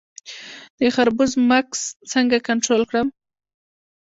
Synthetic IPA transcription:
d̪̥əxaɾbʊzmakst͡səŋɡakaɳʈɾolkɽəm

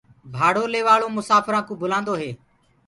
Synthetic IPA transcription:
bʱaːɽoːleːʋaːɭoːmʊsaːfɾãːkũːbʊlãːnd̪oːɦeː

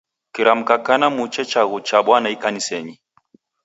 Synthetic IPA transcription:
kiɾam̩kakanamut͡ʃɛt͡ʃaɣut͡ʃaɓwanaikanisɛɲi

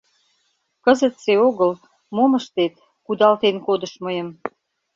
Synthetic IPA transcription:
kəzət̪seoɣəl | moməʃt̪et̪ | kud̪ɑlt̪enkod̪ə̆ʃməjə̆m

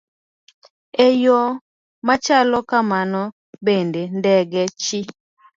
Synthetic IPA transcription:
ejɔ | mat͡ʃalɔkamanɔ | bendendɛɡɛt͡ʃi

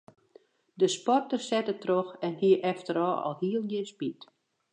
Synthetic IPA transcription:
dəspɔrtərsɛtətroxɛnhiəʔɛftəɾɔːɔ̰lˠhiəlˠjɪspit

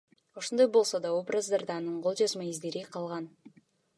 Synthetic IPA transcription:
o̞ʃond̪ojbo̞lˠsod̪ɑobrazd̪ard̪ɑnɯɴqo̞lˠd͡ʒɑzmɑizd̪e̞ɾiqʰɑlˠʁɑn

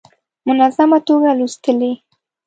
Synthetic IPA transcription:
mʊnazamat̪oɡalust̪əle

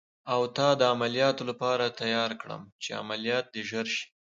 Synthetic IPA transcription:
awt̪ɑd̪əamalijɑt̪olapɑɾat̪ajɑɾkɽə̰mt͡ʃea̰malijɑt̪̚d̪eʒəɾʃi̥

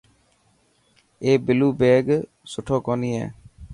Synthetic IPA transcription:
eːbɪluːbeːɡ | sʊʈʰoːkoːniːɦɛ̰ː

